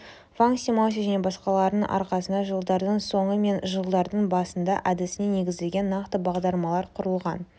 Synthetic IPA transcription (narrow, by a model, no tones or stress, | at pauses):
vaŋksʲimas̬ʲiʒæne̞bɑsqɑlˠɑɾəɴʔɑ̰ɾqɑsənd̪ɑʒəlˠd̪ɑɾd̪əɴso̞ɴəme̞nʒəlˠd̪ɑɾd̪əɴbɑsənd̪ɑʔæd̪ɪsɪne̞ne̞ɡʲɪzd̪eɡʲe̞nːɑqt̪əbɑʁd̪ɑlˠmɑlˠɑɾqʰʊɾəlˠʁɑn